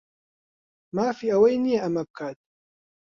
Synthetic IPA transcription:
maːfiːʔɐwejnijeʔɐmɐb̚kʰaːt̪̚

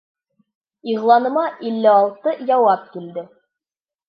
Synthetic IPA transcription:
iʁlˠɑnɤ̆mɑʔilːɘɑlˠt̪ɤjɑwɑp̚kild̪ɘ

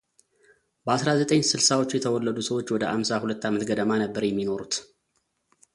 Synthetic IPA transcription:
bəasɾazət̪ʼəɲsɨlsawo̞t͡ʃːjɛt̪ʰəwɔlːəd̪usəwo̞t͡ʃːwɔd̪əʔamsahulət̪ːamət̪ɡəd̪əmanəbːəɾjɛmːino̞ɾut̪

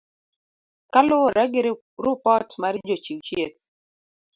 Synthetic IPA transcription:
kalʊoɾaɡɪɾ | ɾʊpɔtmard͡ʒot͡ʃiwt͡ʃjet̪

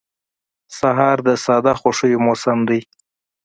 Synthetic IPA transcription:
saɦɑɾd̪əsɑd̪axoʂəjomosamd̪əj

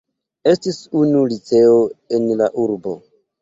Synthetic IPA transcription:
e̞stisunulit͡se̞oe̞nlaʔuɾbo̞̰

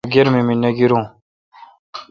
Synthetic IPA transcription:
ɡeɾmiminːaɡiɾũ

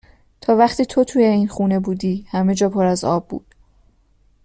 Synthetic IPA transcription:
t̪ʰɒːvæχt̪iːt̪ʰo̞t̪ʰuːjeiːnxuːne̞buːd̪iːhæme̞d͡ʒɒːpʰoɾæzɒ̰ːbːṵːd̪̥

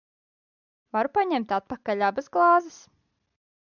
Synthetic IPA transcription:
vaɾupaɲɛmt̪at̪̚pakaʎʲabasɡlˠɑːzɨs

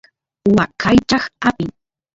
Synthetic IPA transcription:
wakʰajt͡ʃɑχapɪŋ

